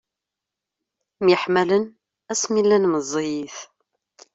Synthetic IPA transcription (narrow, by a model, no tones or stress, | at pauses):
mjəħmælən | æsmilːænməzˤːijiθ